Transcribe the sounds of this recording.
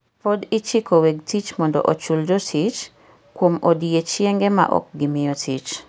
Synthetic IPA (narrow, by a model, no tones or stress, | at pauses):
pɔdɪt͡ʃɪkoweɡ̚tit͡ʃmɔndɔ̰ʔot͡ʃuld͡ʒɔtit͡ʃ | kwomodiet͡ʃjeŋɡɛma̰ʔɔ̰k̚ɡɪmɪɔtʰit͡ʃ